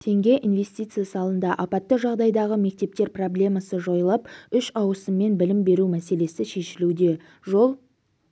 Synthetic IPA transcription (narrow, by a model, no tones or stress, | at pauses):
t̪ʰe̞ŋɡʲe̞ʔinve̞st̪ijt̪sɨjasəɑlˠənd̪ɑʔɑpɑt̪ːəʒɑʁd̪ɑjd̪ɑʁəme̞k̚t̪e̞p̚t̪e̞ɾpro̞blʲe̞mɑsəʒo̞jlˠɑpʏʃɑwəsəmːe̞nbɪlɪmbe̞ɾumæse̞le̞sɪʃe̞ʃɪlud̪e̞ | ʒo̞lˠ